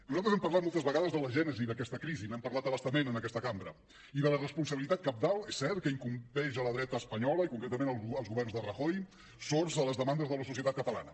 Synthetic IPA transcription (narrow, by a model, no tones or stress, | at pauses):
nuzalt̪ɾəzɛmpəɾrlat̪mɔlˠt̪əzβəɣaðəzðələʒɛnəziðəkɛst̪əkɾizinɛmpəɾlat̪əβəst̪əmenənəkɛst̪əkambɾə | iðələrəspunsəβilit̪at̪̚kəp̚d̪alˠɛsːɛɾt̪̚kəiŋkumpɛʒələðɾɛt̪əːspəɲɔləikuŋkɾɛt̪əmenəlˠəlˠzɣuβɛɾrnzðərəxoj | sorzələzðəmand̪əzðələsusiət̪at̪kət̪əla̰nə